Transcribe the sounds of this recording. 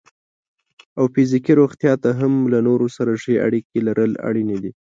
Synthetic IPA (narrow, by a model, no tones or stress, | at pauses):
awfɪzikiɾoɣt̪jɑt̪aɦamlanoɾosaɾaʂea̰ɽikelaɾʔəla̰ɽined̪i